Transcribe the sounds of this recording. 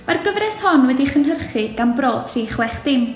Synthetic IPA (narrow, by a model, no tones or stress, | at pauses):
marɡəvrɛshɔnwɛdiχənɦərχɨɡ̥anbroːdʰr̥iːχwɛχd̥ɪm